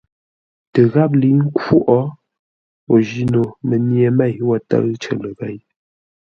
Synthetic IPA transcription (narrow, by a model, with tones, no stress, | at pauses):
tə˨ɣa˦p̬̚li˨˦ŋ̩˦ko˦ʔɔ˦ | o˨d͡ʒi˦no˨mə˨nje˨mɛ˦˨jwɔ˦˨tə̰˦ɣt͡ʃə̰˨lə˨ɣɛ˦˨j